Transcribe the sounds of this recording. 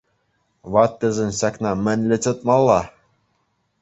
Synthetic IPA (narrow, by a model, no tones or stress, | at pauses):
βɑt̪ːɘ̆zɘ̆nɕɑknɑmɘ̆nʲlʲɘ̆t͡sɤ̆t̪̚mɑlˠːɑ